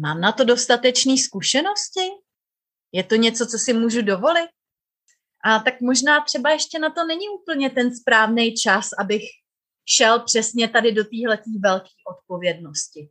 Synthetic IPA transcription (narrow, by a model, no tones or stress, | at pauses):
maːmnat̪o̞do̞st̪at̪ɛt͡ʃniːskuʃɛno̞scɪ | jɛt̪o̞ɲɛt͡so̞t͡so̞sɪmuːʒudo̞vo̞lɪt̪̚ | ʔat̪akmo̞ʒnaːt̪r̝̥ɛbajɛʃcɛnat̪o̞nɛɲɪʔuːpl̩ɲɛt̪ɛnspɾaːvnɛjt͡ʃasʔabɪx | ʃɛlpr̝̥ɛsɲɛt̪adɪdo̞t̪iːɦlɛt̪iːvɛlki̥ːʔo̞t̪̚po̞vjɛdno̞scɪ